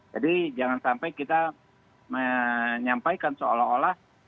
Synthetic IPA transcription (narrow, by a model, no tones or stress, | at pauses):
d͡ʒa̰did͡ʒaŋansampajkit̪a | məɲampajkansoolaɦolah